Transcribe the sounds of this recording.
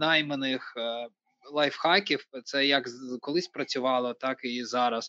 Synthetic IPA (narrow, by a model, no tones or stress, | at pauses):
nɑjmenɪx | lˠɑjfxɑkʲiwt̪sɛjɐkkɔlˠɪsʲpɾɐt͡sʲʊʋɑlˠɔt̪ɑkizɑɾɐs